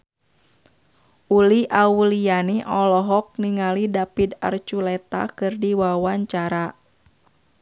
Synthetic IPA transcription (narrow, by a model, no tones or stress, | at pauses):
ʔuliʔaulianiʔɔlɔɦɔk̚niŋalidapid̪a̰rt͡ʃulɛt̪a̰kɨrdiwawaɲt͡ʃaɾa